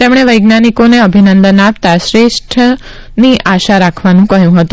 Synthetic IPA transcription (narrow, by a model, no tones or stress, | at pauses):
t̪emɽ̃eʋəjɡnanikoneəbʱinənd̪ənap̚t̪aʃɾeʃʈʰə | niʔaʃaɾakʰʋanũkəɦjũɦət̪ũ